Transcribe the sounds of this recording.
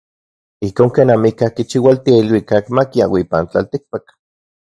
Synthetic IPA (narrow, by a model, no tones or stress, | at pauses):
ihkoːŋkeːnamikahkit͡ʃiwalt̪iailwikakmakia̰wipant͡ɬa̰lt̪ik̚pak